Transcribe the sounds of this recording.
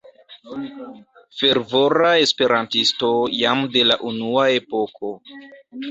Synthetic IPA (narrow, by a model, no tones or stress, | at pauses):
fe̞ɾvo̞ɾae̞spe̞ɾantisto̞jamde̞laʔunuae̞pokʰo̞